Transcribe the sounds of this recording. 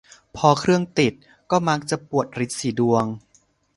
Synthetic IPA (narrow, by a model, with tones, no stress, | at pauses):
pʰɔː˧kʰɾɯ˥˩əŋt̪i˨˩t̪̚ | kɔː˥˩ma˦˥k̚t͡ɕa˨˩pu˨˩ət̪̚ɾi˦˥t̪̚siː˩˦du˧əŋ